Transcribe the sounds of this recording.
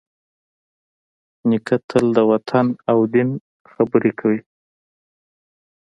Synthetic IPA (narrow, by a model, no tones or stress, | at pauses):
nɪkat̪ʰəld̪əwat̪ʰanawd̪ɪn | xabəɾekʰawi